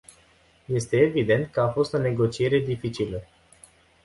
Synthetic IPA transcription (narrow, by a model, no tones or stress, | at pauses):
je̞st̪e̞ːvid̪e̞nt̪̚kəafo̞st̪o̞ne̞ɡo̞t͡ʃie̞ɾe̞d̪ifit͡ʃilə